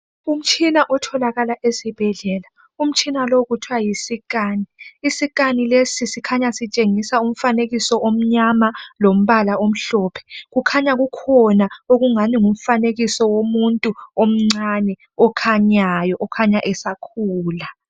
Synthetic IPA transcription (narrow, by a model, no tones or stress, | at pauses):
um̩t͡ʃʼʰinaʔɔtʰɔlaɣalaʔesib̥ʱɛɮɛla | um̩t͡ʃʼʰinaloɣutʰwajisikaːniːsiɣ̬ʼanilesisikʰaɲasit͡ʃʼeŋisaum̩faneɣisɔʔom̩ɲamalom̩βalaom̩ɬɔːpʰɛ̥ɣukʰaɲaɣukʰɔnaoɣuŋaniŋum̩faneɣisɔwomuntʼuom̩ŋ͡ǀanɛ | ɔkʰaɲajɔʔɔkʰaɲaʔɛsakʰuːla